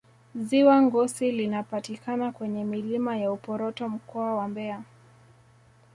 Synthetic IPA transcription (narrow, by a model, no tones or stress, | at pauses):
ziwaŋɡɔsilinapatikanakwɛɲɛmilimajaupɔɾɔtɔm̩kɔawambɛa